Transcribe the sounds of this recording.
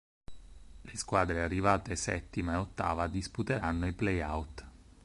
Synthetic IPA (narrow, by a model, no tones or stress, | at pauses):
leskwaːd̪ɾearːivaːt̪esɛ̰t̪ːimaeot̪ːa̰ːvad̪isput̪eɾanːoiplejawt̪